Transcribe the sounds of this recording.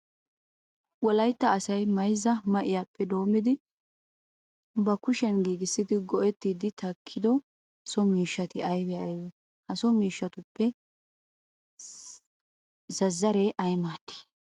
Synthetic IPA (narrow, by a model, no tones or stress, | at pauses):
wɔlɐjt̪ːɐːsɐjmɐjzɐmɐʔɪjaːpːɛd̪o̞ːmɪd̪ɪ | bɐkʊʃɛnɡiːɡɪsːɪd̪ɪɡɔʔɛt̪ːiːd̪ɪt̪ʰɐkʰːɪd̪ɔ | hɐsɔmiːʃːɐt̪ɪɐjwɛɐjwɛ | hɐsɔmiːʃːɐt̪ʊpːɛ | zɐzːɐɾɛʔɐjmaːt̪ːi̥